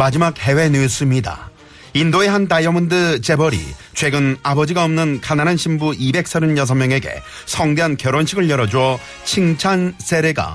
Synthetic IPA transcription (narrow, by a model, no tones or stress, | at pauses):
mad͡ʑimak̚he̞we̞nes͈ɯmɲida̰ | indoe̞ɦant̬ajʌmɯndɯt͡ɕe̞bʌɾḭt͡ɕʰwe̞ɡɯnabʌd͡ʑiɡaʌmnɯnkananɦanɕʰimbuʔibe̞k̚s͈ʌɾɯnjʌs̬ʰʌŋmjʌŋe̞ɡe̞̰ | sʰʌŋdeɦankjʌɾwʌnɕʰiɡɯɭjʌɾʌd͡ʑuʌ | t͡ɕʰiŋt͡ɕʰansʰe̞ɾe̞ɡa̰